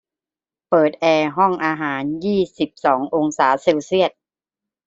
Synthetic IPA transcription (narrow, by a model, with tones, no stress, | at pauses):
pɤː˨˩t̪̚ʔɛː˧ɦɔ˥˩ŋʔaː˧ɦaː˩˦njiː˥˩si˨˩p̚sɔː˩˦ŋʔo˧ŋsaː˩˦se˧wsi˥˩ət̪̚